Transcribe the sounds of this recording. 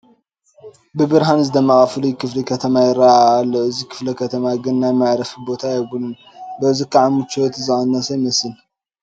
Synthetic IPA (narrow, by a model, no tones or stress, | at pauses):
bɨbɨɾɦanɨzɨd̪ɐmːɐxʼaflujkʰɨflikʰɐt̪ʰɐmajɪɾaːlːuʔɨzikʰɨ̥flɐkʰɐt̪ʰɐmaɡɨnːajmaʕɾɐfibo̞t̪ʰajɛbulɨn | bɐɨzikʰaʕamɨt͡ʃʰːot̪ɨzɨʔanːasajmɐsɨn